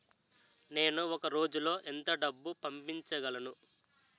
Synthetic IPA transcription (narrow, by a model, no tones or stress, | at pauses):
ne̞ːnuɔkɐɾo̞ːd͡ʒulo̞ːʔɛnt̪ɐɖɐbːupɐmpiɲt͡ʃɐɡɐlɐnu